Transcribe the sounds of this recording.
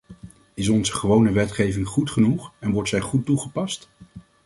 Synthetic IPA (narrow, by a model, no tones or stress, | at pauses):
ɪs̬ɔnzəχəʋownəʋɛtχejvɪŋχutχənuχɛnʋɔɹtsɛjχutːuχəpɑst